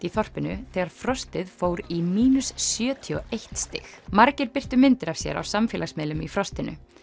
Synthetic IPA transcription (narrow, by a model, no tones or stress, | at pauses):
iθɔr̥pɪnʏθɛːɣaɾ̥fɾɔst̪ɪðfoːwɾimiːnʉsːjœːt̪ʰiɔejht̪st̪ɪ̰xmaɾcɪɾpɪr̥t̪ʏmɪnt̪ɪɾav̥sjɛ̰ɾa̰wsamfɛːlasmɪːlʏmḭfɾɔst̪ɪnʏ̰